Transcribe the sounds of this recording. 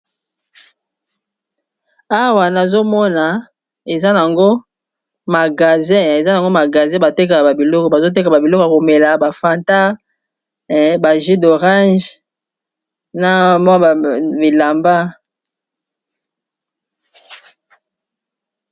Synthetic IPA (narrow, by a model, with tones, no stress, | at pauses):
a˦wa˨na˨zo˦mɔ˦na˨ | e˨za˦n˨a˨ŋɡo˦ | ma˨ɡa˨zɛ̃˦e˨za˦jŋɡo˦ma˨ɡa˨zɛ̃˦ba˨te˦ka˨ba˨bi˨lɔ˦kɔ˨ba˨zo˦t̬e˦ka˨ba˨bi˨lɔ˦ko˨a˨ko˨me˨la˨ba˨fa˨nta˦ | ba˨ʒi˦do˨ʁã˦ʒ | na˨m˦˨bi˨la˨mba˦